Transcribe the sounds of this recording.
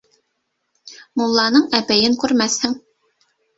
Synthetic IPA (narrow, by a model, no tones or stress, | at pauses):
mulˠːɑːnɨŋɛpɛjɪnkʲʰøɾmɛsɪŋ